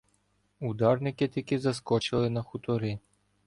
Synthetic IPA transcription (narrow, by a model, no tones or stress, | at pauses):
ud̪ɑrnɪkɪt̪ʲikɪzɐskɔt͡ʃɪlˠɪnɐxut̪ɔɾɪ